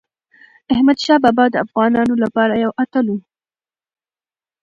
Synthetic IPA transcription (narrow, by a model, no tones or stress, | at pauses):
ahmad̪ʃɑbɑbɑd̪əafɣɑnɑnolapɑɾajawʔat̪alu